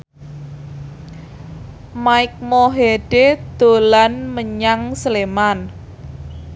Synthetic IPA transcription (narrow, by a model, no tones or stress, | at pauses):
maɪk̚mɔɦeɖ̥ed̪̥o̤lanməɲaŋsəleman